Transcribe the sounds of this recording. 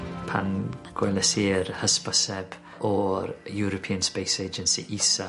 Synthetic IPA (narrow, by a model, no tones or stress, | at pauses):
pʰa̰nɡ̥wɛlɛsiːɾhəspəsɛb̥ | ʔɔɾjuɾɔpʰiːənspejsed͡ʒənsḭʔisa